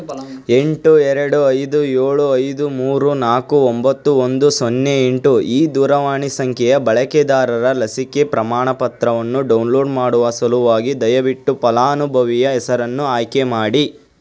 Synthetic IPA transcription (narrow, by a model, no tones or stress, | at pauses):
e̞ɳʈuɛɾɐɽuɐjd̪ujeːɭuɐjd̪umuːɾunaːkuombɐt̪ːuond̪usonːeeɳʈuʔiːd̪uːɾɐʋaːɳisɐŋkʰɛjɐbɐɭɐked̪aːɾɐɾɐlɐsike̞pɾɐmaːɳɐpɐt̪ɾɐʋɐnːuɖɐwnloːɖmaːɽuʋɐsɐluʋaːɡid̪ɐjɐʋiʈːupɐlaːɐnubʱɐʋijɐɛsɐɾɐnːuaːjkemaːɽi